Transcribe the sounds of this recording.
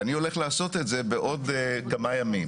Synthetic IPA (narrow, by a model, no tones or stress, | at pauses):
anio̞le̞χlaaːso̞t̪e̞tze̞beʔo̞d̪kamajamim